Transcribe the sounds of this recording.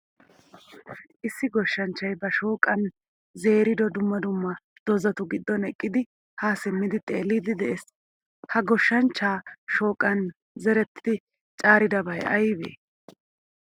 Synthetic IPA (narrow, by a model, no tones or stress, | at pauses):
ʔɪsːɪɡɔʃːɐnt͡ʃːɐjbɐʃo̞ːkʼɐn | ze̞ːɾɪd̪ɔd̪ʊmːɐd̪ʊmːɐ | d̪̥ɔzɐt̪ʊɡɪd̪ːɔnɛkʼːɪd̪ɪ | haːsɪmːɪd̪ɪt̪ʼe̞ːlːiːd̪ɪd̪ɛʔes | hɐɡɔʃːɐnt͡ʃːaːʃoːkʼːɐn | zɛɾɛt̪ːɪ̥d̪ɪ | t͡ʃʼaːɾɪd̪ɐbɐjɐ̰jbḛː